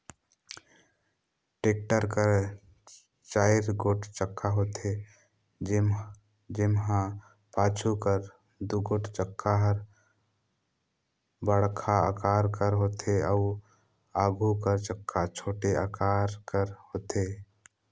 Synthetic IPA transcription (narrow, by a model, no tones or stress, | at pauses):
ʈeːk̚ʈəɾkəɾ | t͡ʃaːɪɾɡoːʈʰt͡ʃəkʰːaɦoːt̪ʰe | d͡ʒ | d͡ʒɪmɦã | paːt͡ʃʰukəɾ | d̪uɡoːʈʰt͡ʃəkʰːaɦəɾ | bəɽkʰaa̰kaːɾkəɾɦoːt̪ʰeəʊ | aːɡʱukəɾt͡ʃəkʰːat͡ʃʰoːʈeakaːɾkəɾɦoːt̪eː